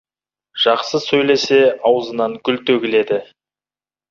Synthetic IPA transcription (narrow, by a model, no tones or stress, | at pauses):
ʒ̥ɑqsəsɵjle̞se̞ɑwəzənɑŋkʲʰʏlt̪ɵɡʲɪle̞d̪ɪ